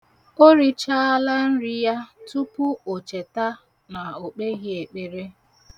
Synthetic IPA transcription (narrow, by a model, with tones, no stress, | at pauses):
o˦ɾi˦t͡ʃa˦a˦la˦n̩˦ɾɪ˦ja˦tu˦pʊ˦o˨t͡ʃe˨ta˦ | na˨o˨k͡pe˦ɣɪ˦e˨k͡pe˨ɾe˦